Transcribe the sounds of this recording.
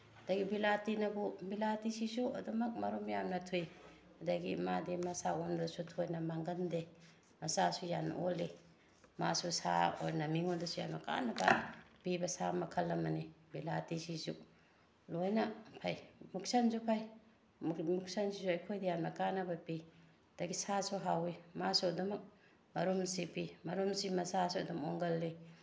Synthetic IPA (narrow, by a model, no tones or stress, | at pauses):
ɐdɐɡibilatinɐbubilatisisuɐ̰dumɐk̚mɐɾumjamnɐtʰuj | hɐdɐɡḭmadimɐsaondɐsutʰojnɐmaŋɡɐnde | mɐsasujanɐ̰oli | masusa̰ojnɐmiŋondɐsuja̰mnɐka̰nɐbɐpibɐsamɐkʰɐlːɐmɐnibilatisisu | lojnɐpʰajmuk̚sansupʰaj | muk̚sansisuɐjkʰojdejanmakanɐbapi | d̥ɐɡisasuɦawimasodumɐk̚ | mɐɾumsipimɐɾumsimɐsasuadumɔŋɡɐlːi